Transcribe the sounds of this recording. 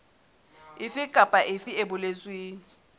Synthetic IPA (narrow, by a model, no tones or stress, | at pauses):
ɪfɪkʼapʼaʔɪfɪebʊlet͡sʼwiː